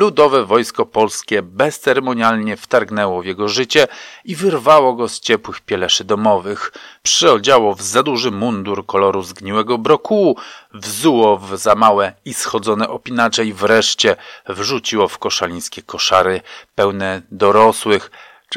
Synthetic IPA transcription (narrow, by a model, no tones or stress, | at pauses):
lud̪ɔvɛvɔjskɔpɔlskʲɛbɛst̪sɛɾɛmɔɲalɲɛft̪aɾɡnɛwɔvjɛɡɔʐɘt͡ɕɛivɘɾvawɔɡɔst͡ɕɛpwɘxpʲjɛlɛʂɘd̪ɔmɔvɘxpʂɘɔd͡ʑawɔvzad̪uʐɘmund̪uɾkɔlɔɾuzɡɲiwɛɡɔbɾɔkuuvzuwɔvzamawɛisxɔd̪zɔnɛʔɔpʲinat͡ʂɛjivɾɛʂt͡ɕɛvʐut͡ɕiwɔfkɔʂalʲĩj̃skʲɛkɔʂaɾɘpɛwnɛd̪ɔɾɔswɘx